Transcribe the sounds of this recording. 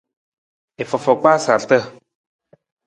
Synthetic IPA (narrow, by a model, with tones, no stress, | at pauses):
ɪ˨fɔ˨fɔ˨k͡pa˦sa˨ɬt̪ə˦